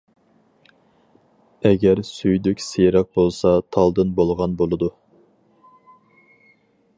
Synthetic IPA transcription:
ɛɡʲɛɾsyjd̪ykʲsejɾɑq̚bolˠsɑt̪ʰɑlˠd̪ɨnbolˠʁɑnbolˠɨd̪u

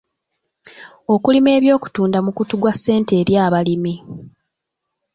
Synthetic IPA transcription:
o̞kulime̞ːβjo̞ːku̥tuːndamukutuɡwasːe̞ːnte̞ːɾjaːβalimi

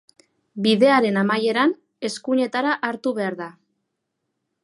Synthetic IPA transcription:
biðe̞aɾe̞namaje̞ɾan | e̞skuɲe̞t̪aɾaʔaɾt̪uβe̞aɾða

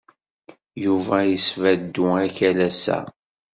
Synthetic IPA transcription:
juvæjəsvæd̪ːuæçælæsæ̰

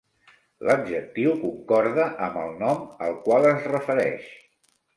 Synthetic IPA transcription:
ləb̚ʒək̚t̪iwkuŋkɔɾðəʔəmbəlˠnɔmə̰lˠkwalˠəzrəfəɾɛ̰ʃ

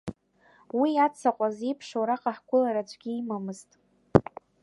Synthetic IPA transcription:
wiat͡sʰaqʷʼazipʰʂowɾaqʼaħɡʷʊlaɾat͡ʃʷʰʼɡʲiːmamɨztʼ

